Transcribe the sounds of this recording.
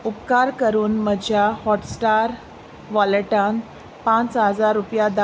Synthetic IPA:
upkaɾkəɾuːnməd͡ʑʱjahɔʈsʈaɾ | ʋəlʈãn | pãt͡sɦəd͡zaɾːupjad̪a

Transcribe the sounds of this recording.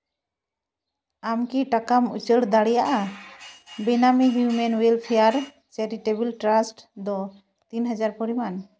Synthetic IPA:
amkiʈakamṵt͡ʃəɽd̪aɽɛjaʔa | binamiɦjumɛnwelpʰijaɾ | t͡ʃɛɾiʈebilʈɾasʈd̪ɔ | t̪inɦəd͡ʒaɾpɔɾiman

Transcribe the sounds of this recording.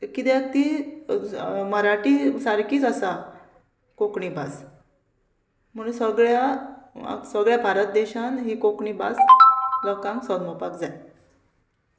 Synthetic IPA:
kit̪ɛt̪i | məɾaʈiːsaɾkiːt͡səsa | kokɳiːbas | m̤əɽunsəɡɭja̰ | səɡɭjabʱaɾət̪̚d̪eɕãnɦiːkokɳiːba̰sləkãŋksəd̪mɔpakd͡zaj

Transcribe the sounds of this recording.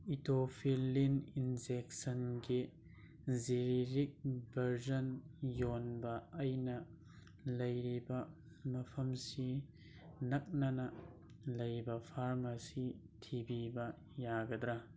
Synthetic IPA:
itopʰilːininzek̚sɐnɡi | ziɾiɾik̚bɐɾzɔnjonbɐːjnɐ | lɐjɾibɐ | mɐpʰɐmsi | nɐk̚nɐnɐ | lɐjbɐpʰaɾmɐsi | tʰibibɐ | jaɡɐdɾɐ

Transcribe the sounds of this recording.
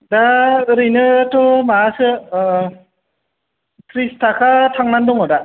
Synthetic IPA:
daɾinɯtɔmaːsɯ | kɾistʰakʰatʰaŋnandɔŋɦada

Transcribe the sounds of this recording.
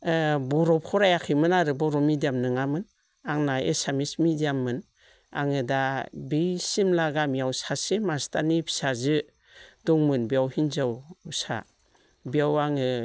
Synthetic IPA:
bɔɾɔpʰɔɾajakʰɯmɯnaɾɯbɔɾɔmidijamnɯŋamɯn | aŋnaḛsamismidijamːɯn | a̰ŋɯdabisimlaɡamijawsasemastanipʰi̥sazɯ | dɔŋmɯnbijawhinzawsa̰ | bijawaŋɯ

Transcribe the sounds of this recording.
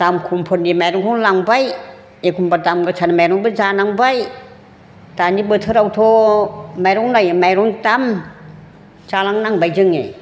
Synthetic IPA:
tamkʰumpʰɔndimajɾɔŋkʰɔŋlaŋbaj | ekʰumbatamɡɯt͡ʃʰanamajɾɔŋbɯzanaŋbaj | tanibɯtʰɯɾawtʰomajɾɔŋnajmajɾɔŋtam | t͡ʃalaŋnaŋbajd͡ʒɯŋḛj

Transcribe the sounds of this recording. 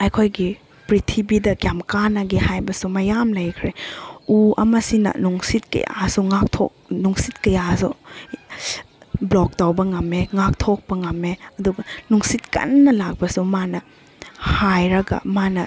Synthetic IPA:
ɐjkʰojɡi | pɾitʰibidɐkjamkanaɡihajbɐsumɐjamlɐjkʰɾeuɐ̰mɐsinɐ̰nuŋsit̚kɐ̰ja̰suŋak̚tʰo̰k̚nuŋsit̚kɐjasṵ | blɔk̚tawbɐŋɐmeŋak̚tʰok̚bɐŋɐmeɐduɡɐnuŋsit̚kɐ̰nːɐlak̚bɐsumanɐ | hajɾɐɡɐ̰manɐ

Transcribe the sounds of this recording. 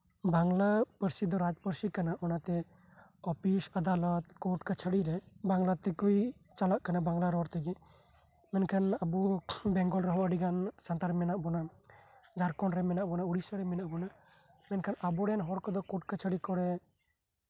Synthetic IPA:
baŋlapəɾsid̪ɔɾad͡ʒpəɾsikanaʔɔnat̪ɛ | ɔpʰisad̪alɔt̪kɔʈkat͡ʃʰəɽiɾɛbaŋlat̪ɛkuj | t͡ʃalaʔkanabaŋɡlaɾɔɾt̪ɛɡɛ | mɛnkʰanabubɛŋɡɔlɾɔɦɔəɖiɡansant̪aɾmɛnaʔbɔna | d͡ʒaɾkɔnɾɛmɛnaʔbɔnauɽisaɾɛmɛnaʔbɔna | mɛnkʰanabuɾɛnɦɔɾkɔd̪ɔkɔʈ̚kat͡ʃʰəɽikɔɾɛ

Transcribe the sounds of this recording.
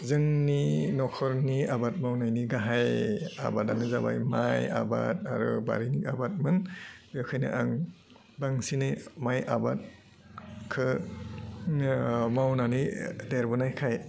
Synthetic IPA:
zɯŋninɔkʰɔɾniabat̚mawnajniɡaɦaja̰bat̚anɯzaba̰jmaja̰ba̰t̚a̰ɾɯ̰ba̰ɾiniabat̚mɯnbewkʰajnɯ̰ʔaŋ | baŋsinɯmajʔabat̚ | kʰɯ | mawnanideɾbɯnajkʰaj

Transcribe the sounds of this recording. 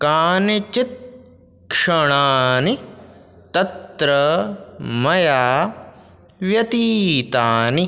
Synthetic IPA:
kaːnit͡ʃit̪̚ | kʂɐɳaːni | t̪ɐt̪ɾɐ | mɐjaː | ʋjɐt̪iːt̪aːni

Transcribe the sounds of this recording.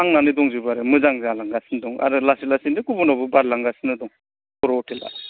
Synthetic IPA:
aŋnanɯdɔŋzibaɾɯmɯzaŋzalaŋɡasindɔŋa̰ɾɯlasilasinikubunawbɯbaɾlaŋɡasɯnɯdɔŋ | kɔɾɔɔtʰela̰

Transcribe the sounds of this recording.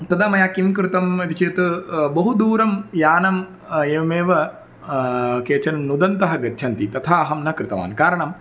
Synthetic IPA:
t̪ɐd̪ɐmɐjaːkimkɾɪt̪ɐmɐt̪it͡ʃeːt̪ɨbɐɦud̪uːɾɐmjaːnɐm | eːʋɐmeːʋɐ | keːt͡ʃɐnɐmnud̪ɐnt̪ɐɦɐɡɐtːʃʰɐnt̪it̪ɐt̪ʰaːɐɦɐmnɐkɾɪt̪ɐʋa̰ːnkaːɾɐɳɐm

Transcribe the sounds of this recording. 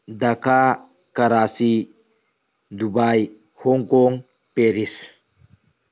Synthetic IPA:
d̪ɐka | kɐɾasi | d̪ubaj | hɔŋkoŋ | peɾis

